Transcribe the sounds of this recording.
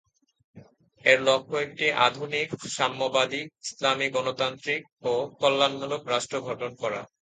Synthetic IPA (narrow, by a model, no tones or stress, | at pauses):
eɾlɔkʰːoek̚ʈiʔa̰d̪ʱunikʃamːobad̪ik̚islamiɡɔnot̪ant̪ɾik̚okɔlːanmulokɾaʃʈɾoɡʱɔʈonkɔɾa̰